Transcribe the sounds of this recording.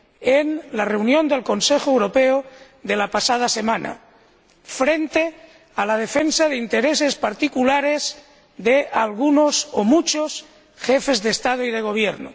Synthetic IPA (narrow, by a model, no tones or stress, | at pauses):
enlareunjõnd̪e̞lkonsexoewɾo̞peo | ðe̞lapasað̞asemãna̰ | fɾe̞nt̪e | alað̞efensaðeint̪eɾesespaɾt̪ikulaɾez | ðeʔalɣ̞unosomut͡ʃos | xefezðest̪að̞oið̞eɣ̞o̞β̞jeɾno̰